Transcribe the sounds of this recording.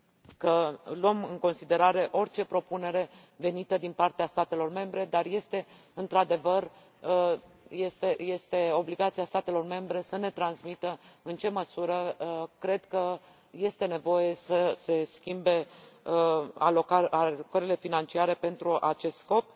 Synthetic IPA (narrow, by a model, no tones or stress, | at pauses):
kəlwəmɨŋko̞nsid̪e̞ɾaɾe̞ʔo̞rt͡ʃe̞pɾo̞pune̞ɾe̞ | ve̞nit̪əd̪inpart̪east̪at̪e̞lo̞rme̞mbɾe̞d̪arje̞st̪e̞ | ɨnt̪ɾad̪e̞vər | jest̪eje̞st̪e̞o̞bliɡat̪siast̪at̪e̞lo̞rme̞mbɾe̞səne̞t̪ɾansmit̪əɨnt͡ʃe̞məsuɾəkɾe̞d̪kə | je̞st̪e̞ne̞vo̞je̞səse̞skʲimbe̞ | a̰lokaalokəɾile̞finant͡ʃiaɾe̞pe̞nt̪ɾuʔat͡ʃe̞st̪sko̞p̚